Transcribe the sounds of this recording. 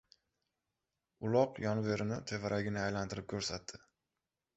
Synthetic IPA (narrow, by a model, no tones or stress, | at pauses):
ʊlˠɒqjɒnve̞ɾɪnɪt̪ʰe̞vaɾʔaɡʲɪnɪajlant̪ʰɪɾɪp̚kʲʰɵɾsat̪ːɪ